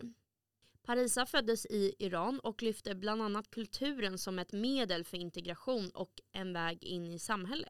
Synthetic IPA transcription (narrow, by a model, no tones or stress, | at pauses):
pʰaɾiːsafœd̪ːəsɪɪɾɑːnɔklʏft̪əbland̪anːat̪̚kʰɵlt̪ʰʉ̟ːɾənsɔmɛt̪meːd̪əlfœɾɪnt̪ɛɡɾaɧuːnɔ̰kʔɛnvɛːɡɪ̰nːɪsamɦɛlːə̰t̪